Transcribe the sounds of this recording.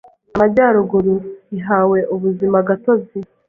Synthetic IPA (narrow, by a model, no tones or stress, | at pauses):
amaɟaːɾoɡuɾuiɦaːwe̞ʔuβuzimaɡatozi